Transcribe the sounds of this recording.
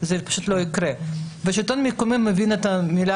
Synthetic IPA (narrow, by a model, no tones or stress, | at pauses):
zepḁʃut̪loikɾebeʃit̪onmikomemːevinet̪amila